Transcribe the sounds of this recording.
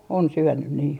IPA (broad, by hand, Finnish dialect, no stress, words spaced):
on syønːyn niː